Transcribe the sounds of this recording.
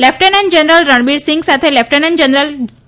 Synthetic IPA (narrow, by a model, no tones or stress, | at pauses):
lɛfʰʈənənd͡ʑənɾəlɾəɳbiɾsiŋɡsat̪ʰelɛfʰʈənənd͡ʑənɾəl